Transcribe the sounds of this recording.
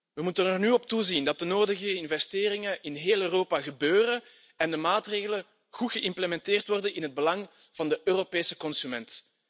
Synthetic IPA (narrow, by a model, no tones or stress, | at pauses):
ʋəmutənɛrnyːɔp̚tuzindɑt̚dənoːdəɣəɪnvɛsteːrɪŋəʔɪnɦeːlˠøːroːpaɣəbøːrən | ɛndəmaːtreːɣələ | ɣutɣ̥əʔɪmpləmɛnteːrtʋɔrdənɪnɦəd̚bəlɑŋ | v̥ɑndəʔøːropeːsə̥kɔnsymɛnt